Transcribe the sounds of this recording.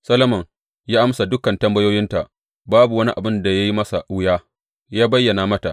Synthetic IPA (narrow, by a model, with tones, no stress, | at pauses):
sɐ˦lɐ˦mɐ˨ŋ | jaː˦ʔa˦msa˨dʊ˦kɐ˨ntɐ˦mbɐ˦joː˦jɪ˦nta˨ | baː˦bu˨wɐ˦ni˦ʔa˨bɪ˦nda˨ja˦ji˦mɐ˦sa˨ʔʊ˦jaː˦ | jaː˦bɐ˦jːɐ˨na˨mɐ˦ta˨ʔ